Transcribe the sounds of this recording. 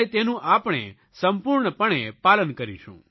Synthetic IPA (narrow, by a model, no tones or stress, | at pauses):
et̪enũʔapɳ̃ḛ | səmpuɾɳəpəɳepalənkəɾḭʃṵ̃